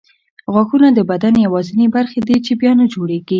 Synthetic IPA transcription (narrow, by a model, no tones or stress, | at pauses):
ɣwaxunad̪əbad̪anjawɑzɪnebaɾxed̪et͡ʃebjɑnad͡ʒoɽeɡi